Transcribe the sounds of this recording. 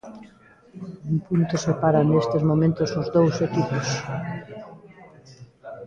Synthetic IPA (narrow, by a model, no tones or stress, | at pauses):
umpunt̪osepaɾanest̪ezmomẽnt̪ʊsʊzðowsekipos